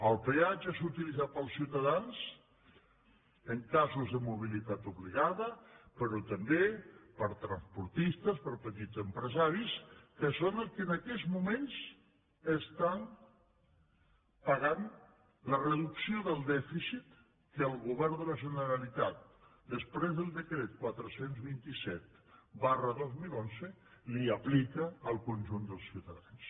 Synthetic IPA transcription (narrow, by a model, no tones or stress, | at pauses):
əlˠpead͡ʒəsut̪ilizat̪̚pəlˠsiwt̪aðanz | əŋkazuzðəmuβ̞ilit̪at̪uβliɣaðəpəɾot̪ambepəɾt̪ɾanspuɾt̪ist̪əspəɾpət̪izəmpɾəzaɾiskəsonəlˠkənakɛzmumẽnz | əst̪an | pəɣan | lərəðuksioðəlˠd̪ɛfisit̪ | kəːlˠɣuβɛɾd̪ələʒənəɾalit̪at̪̚d̪əspɾezðəlˠd̪əkɾɛt̪̚kwat̪ɾəsenzβint̪isɛt̪̚barəðozmilonzəliəplikəːlˠkunʲʒund̪əlˠsiut̪aðans